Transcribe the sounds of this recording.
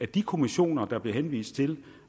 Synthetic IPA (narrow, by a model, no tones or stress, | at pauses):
æd̥ikʰo̝miɕo̝̰ːnɐd̥ɑ̈b̥le̝ɦenʋḭːsd̥̚t͡sʰe̝l